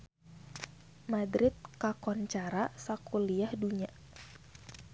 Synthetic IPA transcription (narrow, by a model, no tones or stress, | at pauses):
madɾɪt̪̚kakɔnt͡ʃaɾasakuliahduɲa